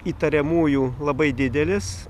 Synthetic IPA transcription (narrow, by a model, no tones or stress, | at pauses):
iːt̪ɐɾʲɛmuːjuːlˠɐbɐɪd̪ʲɪd̪ʲɛlʲɪs